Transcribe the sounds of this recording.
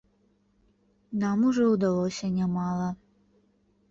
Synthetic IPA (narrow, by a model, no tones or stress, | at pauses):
nɑmuʐɛud̪ɐlˠosʲɐnʲɛmɑlˠɐ